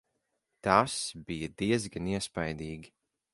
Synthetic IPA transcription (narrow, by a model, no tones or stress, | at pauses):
t̪asbijad̪iɛzɡaniɛspajd̪iːɡʲi